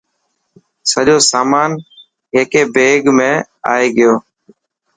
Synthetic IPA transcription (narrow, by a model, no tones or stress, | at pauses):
səʄoːsaːmaːn | ɦeːkeːbeːɡmẽː | a̰ːeːɡɪjoː